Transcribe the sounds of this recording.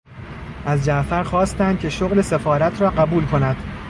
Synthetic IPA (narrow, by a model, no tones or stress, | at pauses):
ʔæzd͡ʒæʔfæɾxɒːst̪ænd̪̥kcʰe̞ʃoɣle̞se̞fɒːɾæt̪ʰɾɒːɢæbuːlkʰo̞næd̪̥